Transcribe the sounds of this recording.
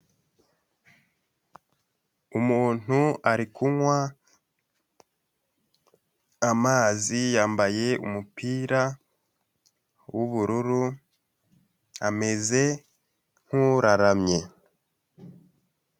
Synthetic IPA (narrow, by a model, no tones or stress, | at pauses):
umuːn̥uaɾikʰumwa | amaːzijaːmbaje̞ṵmupiːɾa | wuβuɾuɾu | ame̞ze̞ | ŋ̥huɾaɾamɲe̞